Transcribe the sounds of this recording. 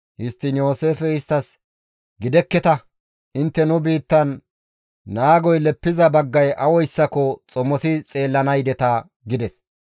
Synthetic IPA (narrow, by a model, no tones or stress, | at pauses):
jɪst̪ːɪnjo̞ːseːfɛɪst̪ːɐs | ɡɪd̪ɛkːɛt̪ɐ | ʔɪnt̪ːɛnʊbiːt̪ːɐnː | aːɡɔjlɛpːɪzɐbɐɡːɐjʔɐwɔjsːɐkɔt͡sʼɔmːɔsɪt͡sʼe̞ːlːɐnɐjd̪ɛt̪ɐ | ɡɪd̪ɛs